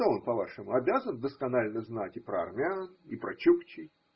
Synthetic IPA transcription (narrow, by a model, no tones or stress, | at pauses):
t̪oonpɐvaʂɨmʊɐbʲazənd̪əskɐnalʲnəznatʲɪpɾəɐ̰rmʲɪanipɾɐt͡ɕupt͡ɕɪj